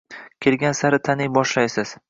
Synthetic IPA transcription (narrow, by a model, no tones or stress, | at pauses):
kʲʰelɡʲansaɾɪt̪ʰanɪjbɒʃlajsɪz̥